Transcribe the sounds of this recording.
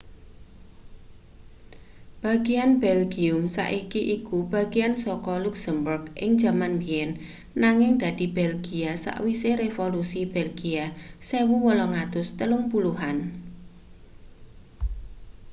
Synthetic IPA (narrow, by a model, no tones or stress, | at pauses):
b̥a̤ɡ̥ijanbɛlɡiʊmsa̰ʔikiʔikub̥a̤ɡ̥iansɔkɔluksəmburɡʔɪ̰ŋd̥d͡ʒ̥a̤manbiɛn | naŋɪŋd̪̥a̤d̪̥i̤b̥ɛlɡiasa̰ʔwiseɾefolusib̥ɛlɡiasewuwɔlɔŋat̪ʊst̪əlʊŋpuluɦan